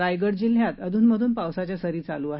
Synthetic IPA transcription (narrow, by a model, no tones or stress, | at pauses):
ajɡəɽd͡ʑil̤jat̪əd̪ʱuːnməd̪ʱuːnpawsat͡ɕjasəɾiːt͡saluːaɦ